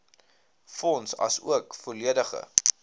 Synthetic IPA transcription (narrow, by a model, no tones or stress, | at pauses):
fɔnsɐ̰sṵəkfoliədəχə̰